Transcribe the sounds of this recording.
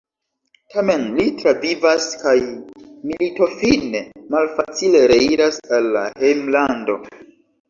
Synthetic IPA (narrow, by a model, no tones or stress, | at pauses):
tʰame̞nlitɾavivaskajmilito̞finemalfat͡sile̞ɾeiɾasalːa̰hejmlando̞